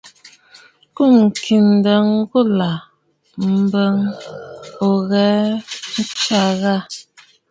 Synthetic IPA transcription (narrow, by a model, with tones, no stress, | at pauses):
ku˦˨m̩˨kʰi˨n˨də˨ŋ˦ɡu˦˨la˨ | m̩˨bə˦ŋ | o˨ɣɛ˨˦n̩˦t͡ʃa˦˨ɣa˦˨